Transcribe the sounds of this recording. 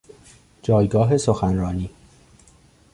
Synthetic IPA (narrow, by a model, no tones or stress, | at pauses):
d͡ʒɒːjɡɒːɦe̞soxænɾɒːniː